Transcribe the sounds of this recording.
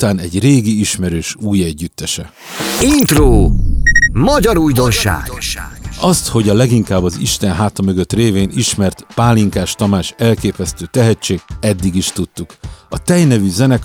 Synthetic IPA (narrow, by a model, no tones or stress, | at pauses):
t̪aːnɛɟreːɡiiʃmɛɾøːʃuːjɛɟːyt̪ːɛʃɛ | int̪roː | mɒɟɒɾujd̪o̞nʃa̰ːɡ | ɒst̪ho̞ɟɒlɛɡiŋkaːbːɒzḭʃt̪ɛnɦaːt̪ɒmø̞ɡø̞t̪reːveːniʃmɛrt̪paːliŋkaːʃt̪ɒmaːʃɛlkeːpɛst̪øːt̪ɛɦɛt͡ʃːeːɡɛd̪ːiɡiʃt̪ut̪ːukɒt̪ɛjnɛvyzɛnɛk